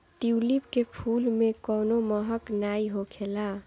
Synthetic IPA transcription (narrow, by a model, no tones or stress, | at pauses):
ʈiulipkepʰulmekɔnoməɦəknaiɦokʰela